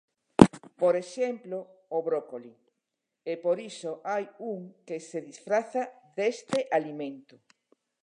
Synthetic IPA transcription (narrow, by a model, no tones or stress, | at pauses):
poɾeʃemplooβɾokoli | epoɾisoʔajuŋkeseðisfɾaθa | ðest̪eʔalimẽnt̪o